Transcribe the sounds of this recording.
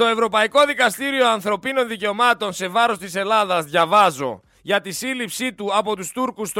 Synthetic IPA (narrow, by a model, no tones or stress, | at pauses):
t̪o̞e̞vɾo̞pɐiko̞ðikɐst̪iɾio̞ɐnθɾo̞pino̞nðice̞o̞mɐt̪o̞nse̞vɐɾo̞st̪ise̞lɐðɐzðʝɐvɐzo̞̰ | ʝɐt̪isilipsit̪uɐpo̞t̪ust̪uɾkust̪